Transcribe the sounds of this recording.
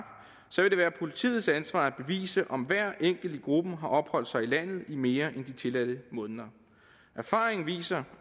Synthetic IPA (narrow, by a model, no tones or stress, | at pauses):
b̥ | sɒ̽ʋe̝d̥e̝æːɐpʰo̝lit͡sʰḭːð̞̩ˠsænsʋɑ̰̈ːæb̥e̝ʋḭːsəʔɒ̽mʋæɐ̰ʔeŋ̰ɡ̥l̩d̥əɡ̥ʁub̥əɦɑ̈ʔɒ̽b̥hɒ̽l̰d̥sɑ̈ɪilæn̰ð̩ˠime̝ːɐʔend̥it͡sʰe̝læd̥əmɔ̽ːnðˠɐ | ʔæɐfɑ̈ːʁeŋn̩ʋḭːsɐ